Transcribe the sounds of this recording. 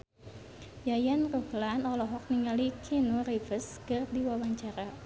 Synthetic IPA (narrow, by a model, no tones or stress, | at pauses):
jajanruhlanɔlɔɦɔk̚niŋalikʰinurifəskɨrdiwawaɲt͡ʃaɾa